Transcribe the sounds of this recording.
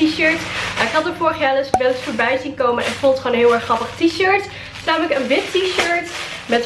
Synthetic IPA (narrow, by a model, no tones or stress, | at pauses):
iʃøɹtmaːɪkɦɑtəfʊːɹχjalɪsʋɛlɪsfʊːɹbɛjzinkowmənʔɛ̰nfulˠtχonɦɪːlˠɛɹχɑpəχtiʃøɹt | snaːmələkənʋɪtiʃøɹt | mɛt